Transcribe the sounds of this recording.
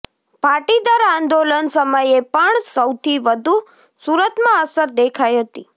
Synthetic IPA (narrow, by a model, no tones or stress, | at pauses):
paʈid̪aɾãnd̪olənsəməjepəɳsəwt̪ʰiʋəd̪ʱu | suɾət̪mãəsəɾd̪ekʰajɦət̪i